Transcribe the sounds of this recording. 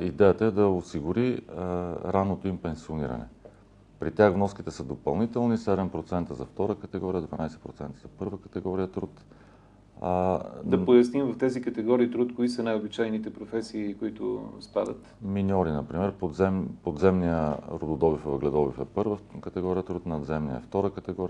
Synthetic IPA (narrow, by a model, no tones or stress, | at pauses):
id̪ɛjət̪əɛd̪ɐosiɡʊɾi | ɾanːot̪oimpɛnsioniɾə̰nɛ̰ | pɾit̪ʲaɣvnɔskit̪ɛsəd̪opɐlˠnit̪ɛlˠnisɛd̪ɛmpɾot̪sɛnt̪əzɐft̪ɔɾəkət̪ɛɡɔɾiəd̪vɐnajsɛ̥pɾot̪sɛnt̪əzɐpɤɾvəkət̪ɛɡɔɾijət̪ɾut̪ | d̪ɐpojɐsnimvɐft̪ɛzikɐt̪ɛɡɔɾiːt̪ɾut̪kʊisɐnajobit͡ʃajnit̪ɛpɾofɛsiːkʊit̪ʊ̰spad̪ət̪minʲɔɾinɐpɾimɛɾpod̪zɛmpod̪zɛmnijəɾod̪od̪ɔbifvəɡlɛd̪ɔbifɛpɤɾvəkət̪ɛɡɔɾijət̪ɾut̪nɐd̪zɛmniəɛ̰ft̪ɔɾəkət̪ɛɡɔɾi